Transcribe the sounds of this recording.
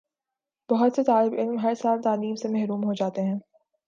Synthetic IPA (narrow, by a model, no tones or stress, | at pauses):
b̥ɐɦʊt̪set̪aːlɪbɪlmɦɐɾsaːlt̪aːliːmsemɛɦɾuːmɦod͡ʒaːt̪eɦɛ̃ː